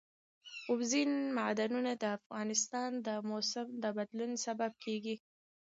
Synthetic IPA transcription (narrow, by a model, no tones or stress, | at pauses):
ʊbzinmad̪anunad̪əafɣɑnɪst̪ɑnd̪əmosɪmd̪əbad̪lunsabab̚kʰeɡi